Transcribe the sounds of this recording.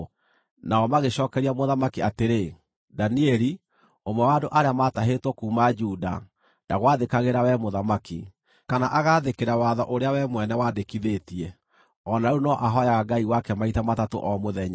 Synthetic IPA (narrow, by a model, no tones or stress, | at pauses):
naɔmaɣeɕɔːkɛɾiamoðamakiateɾe | daniɛɾi | omwɛwadoʔaɾeamataɦetwɔkuːmad͡ʒuda̰ | naɣwaðekaɣeɾawɛmoðamaki | kanaʔaɣaðekeɾawaðɔʔoɾeawɛmwɛnɛwadekiðetiɛ | ɔnaunɔʔaɦɔjaɣaɡaiwakɛmaitamatato̰ʔɔmoðɛɲa